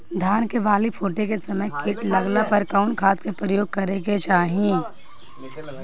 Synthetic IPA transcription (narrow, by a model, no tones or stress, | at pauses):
d̪ʱjaːnkeʋaːlipʰoːʈekesɐməjkɪʈlɐɡlapɐɾkaʊnkʰaːt̪kepɾəjoːɡ̚kɐɾeɡet͡ʃaːɦĩː